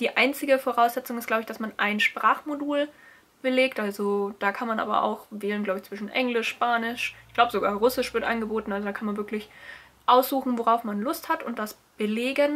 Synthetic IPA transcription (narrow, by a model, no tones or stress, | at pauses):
d̥iːʔaɪnt͡sɪɡəfoːʁ̞aʊsz̥ɛt͡sʊŋɪst̚ɡ̥labəɪçd̥asmanʔaɪnʃpʁ̥aːχmoduːl | b̥əleːktʔalzod̥aːkʰanmanʔa̰ːbɐ̰ʔa̰ʊxvɛːlənɡlaʊbɪçt͡sv̥ɪʃn̩ʔɛŋlɪʃpaːnɪʃʔɪçɡlaʊbəzoɡaːʁʊsɪʃv̥ɪɐtʔa̰nɡəboːtn̩ʔalzodaːkʰanmanvɪɐklɪç | ʔaʊsz̥uːxn̩voʁaʊfmanlʊsthatʊnt̚d̥as | b̥əleːɡən